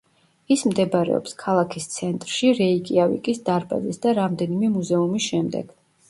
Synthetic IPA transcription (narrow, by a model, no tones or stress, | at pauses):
ismd̪ɛbaɾɛ̰ɔ̰pskʰalˠakʰist̪sʰɛnt̪ʼɾʃiɾɛikʼiavḭkʼisd̪aɾba̰zisd̪aɾamd̪ɛnimɛmuzɛumisʃɛmd̪ɛ̰ɡ̥